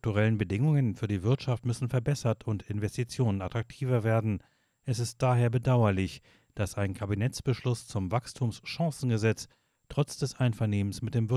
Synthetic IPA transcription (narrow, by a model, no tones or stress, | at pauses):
k̚tuʁɛlənbədɪŋʊŋənfyːɐdiːvɪɐtʃaftmʏsn̩fɛɐbɛsɐtʰʊntɪnvɛstit͡sjoːnənatʁ̥ak̚tʰiːvɐveːɐdn̩ | ʔɛsɪst̚d̥aːɦeːɐbədaʊɐlɪç | d̥asaɪnkʰabinɛt͡sb̥əʃlʊst͡sʊmvakstʰuːmsʃãŋsn̩ɡəzɛt͡s | tʁ̥ɔt͡sd̥ɛsʔaɪnfɐneːmənsmɪt̚d̥eːmvɪ